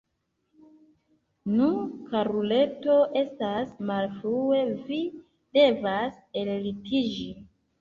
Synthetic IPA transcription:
nukaɾule̞to̞ʔe̞stasmalfɾue̞vi | de̞vas | ellitid͡ʒi

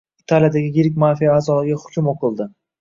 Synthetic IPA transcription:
ɪt̪ʰalijad̪aɡʲɪjɪɾɪkʲmafijaaːzɒlɪɡʲaχʊ̥t͡ʃʲʰʊmoqʰɨlˠd̪ɪ

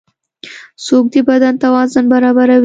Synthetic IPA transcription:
sok̚d̪əbad̪ant̪awɑzanbaɾɑbaɾawi

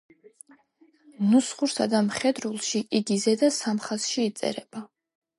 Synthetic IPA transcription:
nusχuɾsad̪amχɛd̪ɾulˠʃiʔiɡizɛd̪asamχazʃiːt̪sʼɛ̰ɾɛb̥a

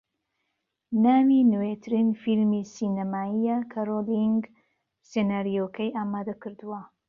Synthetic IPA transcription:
naːminɨwet̪ʰɨɾinfilmisiːnɐmaːijakʰaɾoliŋɡ | senaːɾijokʰɐjʔaːmaːd̪ɐkɨɾd̪uwɐ

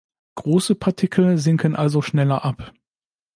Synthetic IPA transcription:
ɡ̥ʁoːsəpʰaɐtʰɪkʰl̩zɪŋkənʔalzoʃnɛlɐʔap

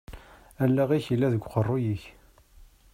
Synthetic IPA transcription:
ælːæʁiçəlːæðəɡʷːqərˤːʊjiç

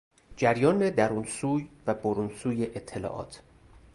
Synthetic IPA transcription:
d͡ʒæɾjɒːned̪æɾuːnsuːjvæboɾuːnsuːjeʔet̪ʰːelɒ̰ːʔɒ̰ːt̪ʰ

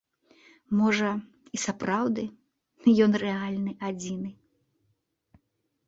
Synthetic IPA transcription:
mɔʐɐ | isapɾawd̪ɨ | jɔnrɛalʲnɨʔad͡zʲinɨ

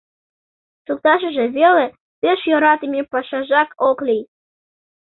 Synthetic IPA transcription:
suk̚t̪ɑʃʒĕβʲele | peʃjoɾɑt̪imʲipɑʃɑʒɑkoklʲij

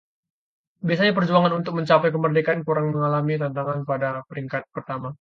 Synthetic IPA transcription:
biasaɲapərd͡ʒuaŋanunt̪ʊk̚məɲt͡ʃapɛjkəmərdekankuɾaŋməŋalamit̪ant̪aŋanpadapəɾiŋkat̪̚pərt̪ama

